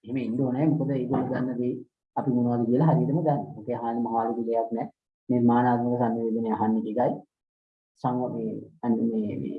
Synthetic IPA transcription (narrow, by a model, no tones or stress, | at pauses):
eɦeməind̪oonajmukod̪əeːɡoluɡanːəd̪i | apimunuʋad̪ukiəlaɦaɾiətəməɡ̪anːmokeaɦaːnimaɦaʋalukid̪ejaknɛ | meːmaːnaːt̪məkəs̬anːeʋeɡ̪eneaɦanːekekaj | saŋɡaeanimḛː